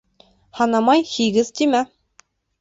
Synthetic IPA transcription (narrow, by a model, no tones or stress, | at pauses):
hɑnɑmɑjhiɡɘzt̪imæ